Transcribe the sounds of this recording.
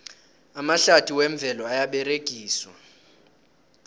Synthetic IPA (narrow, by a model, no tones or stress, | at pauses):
amaɬatʰʼiwɛɱb̪vʱɛlɔajaɓɛreɡ̥ʱiːswa̰